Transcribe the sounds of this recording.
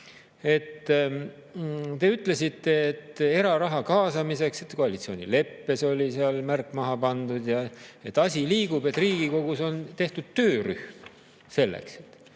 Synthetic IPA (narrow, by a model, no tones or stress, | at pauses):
e̞t̪ː | t̪e̞yt̪ˑle̞sit̪ːe̞ːt̪ːe̞ɾɑɾɑɦɑkɑːsɑmise̞kse̞t̪ko̞ɑlit̪sio̞ːnḭle̞pːe̞so̞lʲiseɑlmærkːˑmɑɦɑpɑnd̪ud̪̥jɑet̪ːˑɑsʲiliːɡub̥e̞t̪ːˑriːɡ̥iko̞ɡuso̞nt̪e̞ht̪ud̪̥̚t̪øːry̰hm | se̞lːḛkse̥t̪ːˑ